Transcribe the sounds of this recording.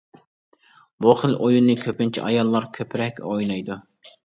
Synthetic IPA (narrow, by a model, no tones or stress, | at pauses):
boχəlʔojunːɨkʲʰøpɪnt͡ʃʰḭʔɑjɑlˠːɑɾkʲʰøpʰɪɾɛkʲojnɑjd̪u